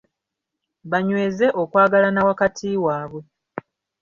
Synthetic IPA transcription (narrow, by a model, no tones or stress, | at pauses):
βaɲweːze̞ʔokwaːɡalanawakatʰiːwaːβwe̞